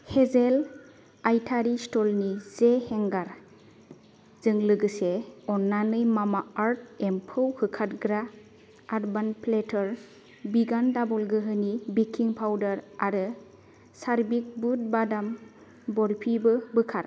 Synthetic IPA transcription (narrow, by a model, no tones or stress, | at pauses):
hezel | ajtʰaɾistɔlnizehɛŋɡaɾ | z̥ɯŋlɯɡɯseɔnːanɯjmamaaɾt̚empʰɯwhɯkʰat̚ɡɾa | aɾbanpʰletʰɔɾ | biɡandabɔlɡɯɦɯnibikʰːiŋpʰawdaɾaɾɯ | saɾbik̚but̚badam | bɔɾpʰibɯbɯkʰat